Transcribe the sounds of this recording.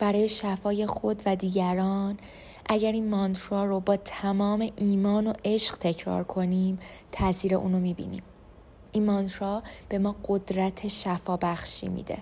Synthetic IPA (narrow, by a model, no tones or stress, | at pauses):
b̥æɾɒːje̞ʃæfɒːje̞xo̞d̪væd̪iːɟæɾɒːn | ʔæɟæɾinmɒnt̪ʰɾɒːɾobɒːt̪ʰæmɒːme̞ʔiːmɒːno̞ʔe̞ʃɢ̥t̪ʰe̞cʰɾɒ̰ːɾkʰo̞niːmt̪ʰæsiːɾe̞ʔuːnomiːbḭːnḭːm | ʔinmɒnt̪ʰɾɒb̥e̞mɒːɢo̞d̪ɾæt̪ʰe̞ʃæfɒːbæxʃḭːmḭːd̪ḛ